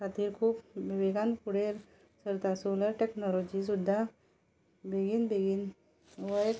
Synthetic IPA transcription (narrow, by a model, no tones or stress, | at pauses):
kʰat̪iːɾkʰuːpbibeɡanpuɽeɾ | səɾt̪asoləɾʈeknɔlɔd͡ʑis̬ud̪ʱːa | bʱeɡiːnbʱeɡiːn | ʋəjk